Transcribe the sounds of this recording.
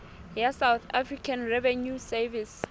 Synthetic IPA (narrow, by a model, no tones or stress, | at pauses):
jasawθafrikʰãnrɛvɛnjusɛvis